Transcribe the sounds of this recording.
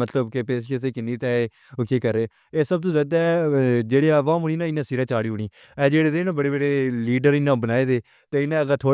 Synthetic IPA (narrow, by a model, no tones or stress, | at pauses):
ət̪ləbkepeːsʃes̬eːkɪnːiːt̪ɛːe | kiːkəɾːeː | eːsəb̚t̪ũːzjaːd̪aːɛd͡ʒeːɽeːaːʋãːmʊniːnãːɪnãːsiɾɛ̃ːt͡ʃaːɽiːɦʊɳ̃iː | ɛːd͡ʒeːɽeːd̪eːnãːbəɽeːbəɽeːliːɖəɾɪnãːbənaːeːd̪eː | t̪eːɪnːɛ̃ːəɡət̪ʰoː